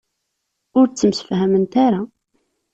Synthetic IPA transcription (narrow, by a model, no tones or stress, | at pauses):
ʊɾt͡sːəmsə̥fhæmənt̪aɾa